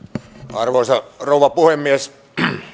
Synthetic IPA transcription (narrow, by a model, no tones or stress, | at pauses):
ɑrʋoisɑrouʋˑɑpuhemːiæs